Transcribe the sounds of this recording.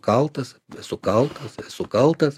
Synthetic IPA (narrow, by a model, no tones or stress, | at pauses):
kɐlˠt̪ɐssʊkɐlˠt̪ɐssʊkɐlˠt̪ɐs